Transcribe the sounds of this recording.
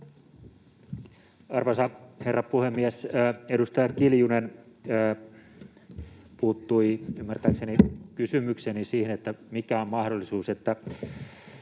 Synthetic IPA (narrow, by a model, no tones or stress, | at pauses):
ɑrʋɑsɑherːɑpuhemːiesedust̪ɑjɑkiljunenː | puːt̪ːuiymːært̪æːksenikysymyksenisiːhenet̪ːæmikæommɑhdolːisuːset̪ːæ